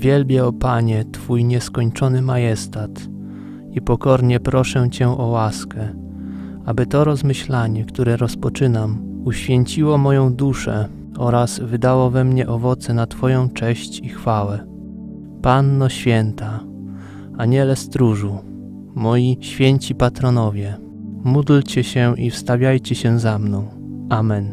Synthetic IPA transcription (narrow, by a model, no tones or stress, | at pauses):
vʲjɛlbʲjɛɔpaɲɛt̪fujɲɛskɔɲt͡ʂɔnɘmajɛst̪at̪ | ipɔkɔɾɲɛpɾɔʂɛt͡ɕɛʔɔwaskɛ | abɘt̪ɔɾɔzmɘɕlaɲɛkt̪uɾɛɾɔspɔt͡ʂɘnamuɕfʲjeɲt͡ɕiwɔmɔjɔ̃w̃d̪uʂɛ | ɔɾazvɘd̪awɔvɛmɲɛʔɔvɔt̪sɛnat̪fɔjɔ̃w̃t͡ʂɛɕt͡ɕixfawɛ | panːɔɕfʲjɛnt̪a | aɲɛlɛst̪ɾuʐu | mɔjiɕfʲjeɲt͡ɕipat̪ɾɔnɔvʲjɛ | mud̪lt͡ɕɛɕɛʔifst̪avʲjajt͡ɕɛɕɛzamnɔ̃w̃ | amɛn